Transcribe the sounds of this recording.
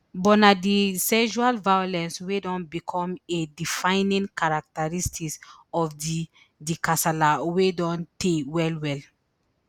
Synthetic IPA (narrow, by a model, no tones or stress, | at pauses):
bɔnadisɛʃualvajɔlɛ̃nswedɔ̃nbikʰɔ̃medifãɪnĩŋkaɹak̚taɹistʰiksɔfdi | dikasalawedɔ̃ntʰewɛlwɛl